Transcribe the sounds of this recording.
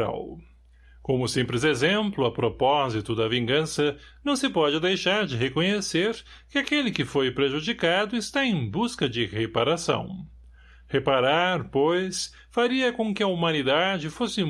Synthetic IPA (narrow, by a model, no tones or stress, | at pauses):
a̰w | kõmʊsẽmpɾɪzezẽmplʊɐpɾopɔzit̪ʊd̪ɐvĩŋɡɐ̃sɐ | nɐ̃w̃sɪpɔd͡ʒɪd̪ejʃaɾd͡ʒɪɦekõɲeseɾ | kɪakelɪkɪfojpɾeʒud͡ʒikad̪ʊɪst̪aẽj̃buskɐd͡ʒɪhepaɾasɐ̰̃w̃ | hepaɾaɾpojs | faɾiɐkõkɪɐumɐ̃nid̪ad͡ʒɪfosɪ